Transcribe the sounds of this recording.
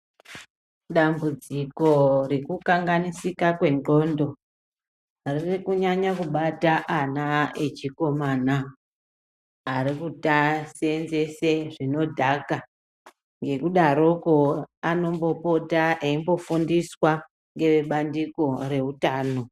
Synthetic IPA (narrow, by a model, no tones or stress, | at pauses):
ɗambud͡ziko̞rikukaŋɡanisikakwe̞nɡondo̞ | ririkuɲaɲakuɓataʔanaet͡ʃiko̞mana | ɾikutasenze̞seʐino̞dʱaka | ŋɡe̞kuɗaɾo̞koano̞mbo̞po̞taʔeimbo̞fundiswa | ŋɡe̞ʋeɓandiko̞re̞ɦutaːno̞